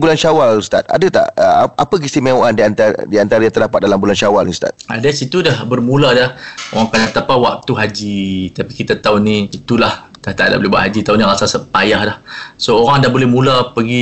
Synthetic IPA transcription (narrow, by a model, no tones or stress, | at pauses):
bulanʃawallst̪a̰t̪̚a̰dət̪a̰ʔəapək̬ist̪imẽoʔandiant̪a̰diant̪aɾajãŋt̪ərdapat̪̚dalambulanʃawalnist̪a̰t̪̚a̰dasit̪udahbərmũladaho̰ɣaŋkanat̪apawak̚t̪uɦad͡ʒit̪apikit̪at̪aunĩit̪ulahd̥aht̪aʔda̰bolebua̰ʔɦad͡ʒit̪auniɣasalsapajahdahsooɾaŋdahbolɛhmulapəɡi